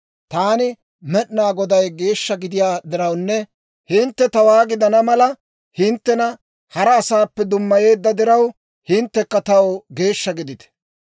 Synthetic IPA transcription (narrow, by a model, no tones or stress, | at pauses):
t̪aːnɪ | mɛɗnaːɡɔd̪ɐjɡe̞ːʃːɐɡɪd̪ɪjaːd̪ɪɾɐwnːɛ | hɪnt̪ːɛt̪ɐwaːɡɪd̪ɐnɐmɐlɐ | hɪnt̪ːɛnɐ | hɐɾɐːsaːpːɛd̪ʊmːɐje̞ːd̪ːɐd̪ɪɾɐw | hɪnt̪ːɛkːɐt̪ɐwɡe̞ːʃːɐɡɪd̪ɪt̪ɛ̥